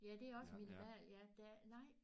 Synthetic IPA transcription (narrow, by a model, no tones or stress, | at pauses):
jæd̥e̝æɒ̽səminʋæɐ̰ljæd̥ænɑ̈ɪ̰